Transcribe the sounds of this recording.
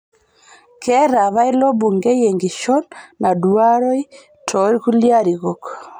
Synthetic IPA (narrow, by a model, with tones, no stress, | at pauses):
kʰɛɾa˨βa˦i˦lɔ˦buŋɡɛ˦jeŋɡi˨ʃɔnna˨dwaɾɔ˦i˦ | tʰɔɾi˦ku˦ljaɾiɣɔk